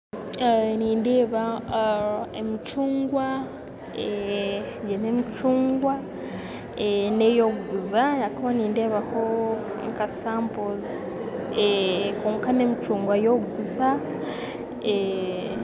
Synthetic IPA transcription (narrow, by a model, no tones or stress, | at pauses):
niːndeːβa | emit͡ʃuːŋɡwa | e | ɟenemit͡ʃuːŋɡwa | enejoɡuzanakaβaniːnde̞ːβaho | ŋkasaːmpoz | ekuːŋkanemit͡ʃuːŋɡwajo̞ɡuza | e